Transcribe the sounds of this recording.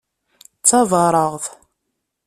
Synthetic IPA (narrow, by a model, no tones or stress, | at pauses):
t͡sːɑðˤɑɾˤəʁθ